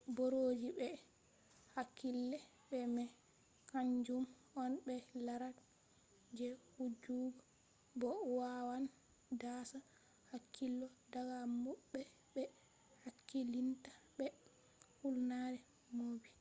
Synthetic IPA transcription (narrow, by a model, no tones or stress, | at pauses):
boɾoːd͡ʒibɛ | hakʰːilːɛ | ɓɛmɛ | kaɲd͡ʒum | ɔnbɛlaɾat | d͡ʒɛhud͡ʒuɡɔ | bɔwawan | dasa | hakʰːilːɔdaɡamuɓːɛ | bɛ | hakʰːilintḁbɛ | hulnaɾɛ | moːbi